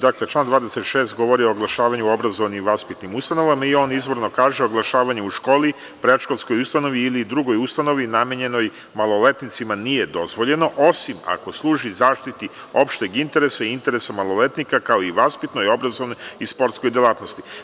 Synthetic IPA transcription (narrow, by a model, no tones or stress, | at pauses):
d̪aklet͡ʃlˠand̪ʋaːd̪eset̪ʃeːst̪ɡo̞ʋo̞ɾio̞ːɡlˠaʃaːʋaɲuo̞bɾazo̞ʋnimʋaspit̪nimust̪ano̞ʋamaio̞ːnizʋo̞ɾno̞kaːʒeoɡlˠaʃaːʋaɲuuʃko̞ːli | pɾeʃko̞lˠsko̞just̪ano̞ʋiːlid̪ɾuɡo̞just̪ano̞ʋinameɲe̞no̞j | malˠo̞le̞t̪nit̪simanije̞d̪o̞zʋo̞ʎe̞no̞ʔo̞sima̰ko̞slˠuːʒizaːʃt̪it̪i | o̞pʃt̪eɡint̪e̞ɾesaint̪e̞ɾesamalˠo̞le̞t̪nikakao̞iʋaspit̪no̞jo̞bɾazoʋnojjispo̞ɾt̪skojd̪elaːt̪no̞st̪i̥